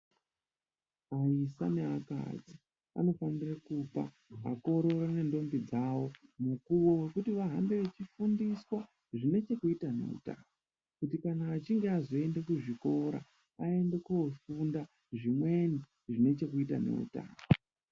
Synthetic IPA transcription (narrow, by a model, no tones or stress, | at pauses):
aisa̰neaka̰d͡zi | a̰no̞fanirakupa̰ | a̰ko̞ɾo̞rane̞ndo̞mbid͡zawo̞mukuwowe̞kutiʋaɦambeʋet͡ʃifundiswa | ʐine̞t͡ʃe̞kuitane̞̰ṵta̰ːo | kutikanaːt͡ʃiŋɡeazo̞e̞nde̞kuʐiko̞ɾa̰ | ae̞nde̞kofunda | ʐimwe̞ni | ʐine̞t͡ʃe̞kuita̰ne̞̰ṵta̰ːmo